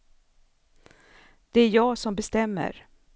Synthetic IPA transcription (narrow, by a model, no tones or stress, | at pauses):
d̪̥ɛæɾjɑːɡsɔmbɛst̪ɛmːə̰ɾ